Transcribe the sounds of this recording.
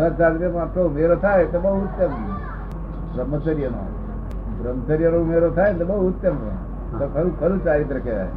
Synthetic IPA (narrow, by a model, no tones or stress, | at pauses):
nat͡ʃaɾit̪emat̪ɾoumeɾot̪ʰajt̪obəɦuut̪ːjəm | ḛ | bɾəməsəɾijəno̰ | bɾəmsəɾjənoumeɾot̪ʰaet̪obəɦuut̪ːjəmə̰ | t̪okʰəɾukʰəɾũt͡ʃaɾit̪ɾəkʰjaa̰ḛ